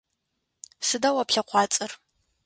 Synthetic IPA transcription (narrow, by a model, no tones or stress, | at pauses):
sɨdawapɬɐqʷʰɑːt͡sʼɨr